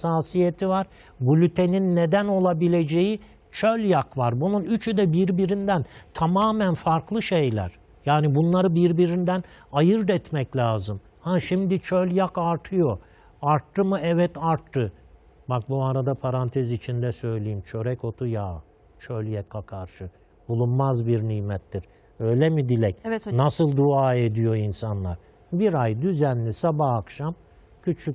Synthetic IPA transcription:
saːsijet̪ʰivaɾ | ɡulʲyt̪ʰe̞ninːed̪æno̞lˠabilʲe̞d͡ʒe̞ji | t͡ʃʰølʲjakvaɾbununyt͡ʃʰyd̪ɛbiɾbiɾind̪ænt̪ʰamaːmænfaɾklˠɯʃejlʲæ̰ɾ̥ | jaːnibunlˠaɾɯbiɾbiɾind̪æn | ajɯɾd̪ɛt̪mɛclʲaːzɯm | haʃimd̪it͡ʃʰølʲjakaɾt̪ʰɯjo̞ | aɾt̪ːɯmɯɛvɛt̪aɾt̪ʰːɯ | bak̚buaɾad̪apʰaɾant̪ʰɛzit͡ʃʰind̪ɛsø̞jlʲejimt͡ʃʰø̞ɾɛco̞t̪ʰujaː | t͡ʃʰølʲjakʰakʰaɾʃɯ | bulˠunmazbiɾniːmɛt̪ːiɾ̥ | ø̞jlʲɛmid̪ilʲɛcnasɯlˠd̪uaːe̞d̪ijo̞insanlˠaɾ̥ | biɾajd̪yzænlʲisabahakʃam | cʰyt͡ʃʰyc

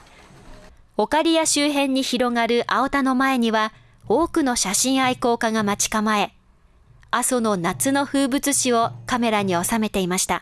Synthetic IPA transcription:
o̞kaɾʲijaɕɨːɦẽ̞ɲ̟ːiçiɾo̞ŋaɾɯ̟ʔaot̪ano̞mae̞ɲ̟iβa | o̞ːkɯ̟no̞ɕaɕĩɰ̃aiko̞ːkaɡamat͡ɕi̥kamae̞ | aso̞no̞nat͡sɨno̞ɸɯːbɯ̟t͡sɨɕio̞kame̞ɾaɲ̟io̞same̞t̪e̞imaɕi̥t̪a

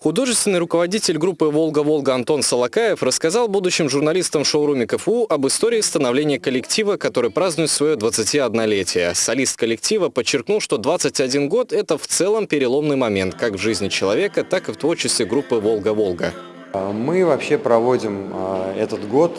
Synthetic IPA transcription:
xʊd̪o̞ʐɨst̪vʲɪnːɨjrʊkəvɐdʲitʲɪlʲɡɾupːɨvo̞lˠɡəvo̞lˠɡəɐnt̪o̞nsəlˠɐkajɪfrəskɐzɑlˠbud̪ʊɕːɪmʐʊrnɐlʲist̪əmʂoʊɾumʲɪkəfuʔɐbɨst̪oɾʲɪːst̪ənɐvlʲenʲɪjəkəlʲɪktʲivəkɐt̪o̞ɾɨjpɾaznʊjɪt̪svɐjo̞d̪vət̪sɨtʲiɐd̪nɐlʲetʲɪjəsɐlʲist̪̚kəlʲɪktʲivəpət͡ɕːɪrknulˠʂt̪o̞d̪vat̪sɨtʲɐdʲinɡo̞t̪ɛt̪əft̪sɛlˠəmpʲɪɾʲɪlˠo̞mnɨjmɐmʲe̞nt̪kakvʐɨzʲnʲɪt͡ɕɪlˠɐvʲe̞kət̪akɨft̪vo̞rt͡ɕɪsʲɪɡɾupːɨvo̞lˠɡəvo̞lˠɡə̰ | mɨvɐpɕepɾɐvo̞dʲɪmɛt̪ət̪ɡo̞t̪

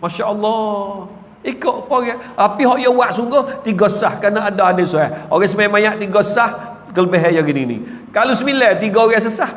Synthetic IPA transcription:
maʃaʔəlːɔ | ikoʔpoɣɛʔapiɦɔʔjəwaʔsuŋɡoht̪iɡosahkanaadaadəsoɛoɣɛs̬əmajamajaʔt̪iɡɔəsah | kələbeɦɛjaɡininḭ | kalusəmilɛt̪iɡɔoɣɛs̬əsah

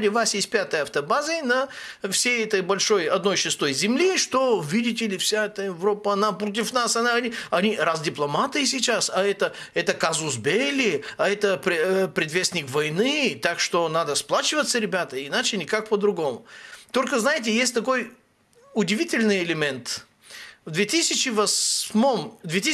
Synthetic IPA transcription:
lʲɪvasjesʲt̚ʲpʲat̪əjɐft̪ɐbazɨjnɐfsʲejɛt̪əjbɐlʲʂo̞jɐd̪̚no̞jʂɨst̪o̞jzʲɪmlʲiʂt̪ovʲidʲɪtʲɪlʲɪfsʲaɛt̪əjɪvɾopːəɐnapɾot̪̬ʲɪfnasɐnaɐnʲiɐnʲiɾazdʲɪplˠɐmat̪ɨsʲɪt͡ɕasɐɛt̪ə | ɛt̪əkazusbʲelʲɪɐɛt̪əpɾʲpɾʲɪd̪vʲesʲnʲɪkvɐjnɨt̪akʃt̪onad̪əsplˠat͡ʃɪvət̪səɾʲɪbʲat̪əinat͡ʃɪnʲɪkak̚pəd̪ɾʊɡomʊt̪olʲkəznajɪt̪̬ʲɪjesʲtʲt̪ɐkoj | ʊdʲɪvʲitʲɪlʲnɨjɛlʲɪmʲɛnt̪ | vd̪vʲet̪isʲɪt͡ʃɪvɐsmomd̪vʲet̪i

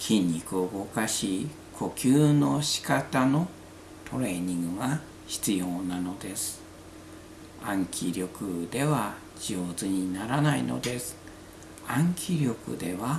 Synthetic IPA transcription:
kʲʰĩɲʲːikɯoɡo̞kaɕiː | kʰo̞kʲɨːno̞ɕi̥kat̪ano̞ | t̪ʰo̞ɾe̞ːɲ̟ĩŋɡɯ̟ɡa | çi̥t͡sɨjo̞ːnano̞d̪e̞sɨ̥ | ãŋkʲʰiɾʲo̞kɯ̟d̪e̞βa | d͡ʑoːzɨɲ̟inaɾanaḭno̞̰d̪e̞sɨ̥ | ãŋkʲʰiɾʲo̞kɯ̟̰d̪e̞βa

